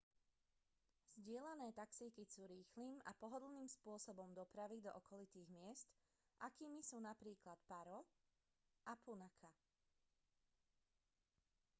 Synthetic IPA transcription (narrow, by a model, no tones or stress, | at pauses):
z̥ɟɪɛlanɛːt̪aksiːkisuːɾiːxliːma̰pɔɦɔd̪l̩niːmspʊɔsɔbɔmd̪ɔpɾaʋid̪ɔ̰ʔɔkɔlit̪iːɣmɪɛst̪ | ʔakiːmisuːnapɾiːklat̪paɾɔ | ʔapunakʰa